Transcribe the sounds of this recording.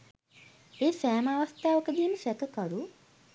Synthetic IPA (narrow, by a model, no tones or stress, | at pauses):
eːsæːmaʋast̪aːʋəkəd̪iːməsɛkəkaɾu